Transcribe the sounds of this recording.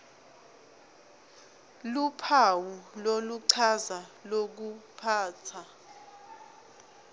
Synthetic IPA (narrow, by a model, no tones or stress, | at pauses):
lupʰawuloluǀʰazalok̬upʰaːt͡sʰa